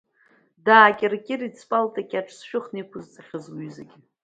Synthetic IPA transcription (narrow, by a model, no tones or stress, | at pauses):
daːkʲʼɪrkʲʼɪrit͡sʰpʼaltʼakʲʼaʈ͡ʂʰsʃᶣʊχnipʰʊzt͡sʼaχʲɨzwɥzaɡʲɪ